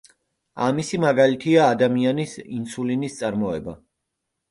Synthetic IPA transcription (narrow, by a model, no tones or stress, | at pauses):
amisimaɡalit̪ʰiaːd̪amianisinsulinist̪sʼaɾmɔɛba